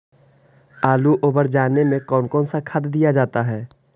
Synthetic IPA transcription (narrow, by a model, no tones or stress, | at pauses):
aːluʔoːbəɾd͡ʒaːnemẽkɔːnkɔːnsakʰəd̪d̪ijad͡ʒaːt̪aɦɛː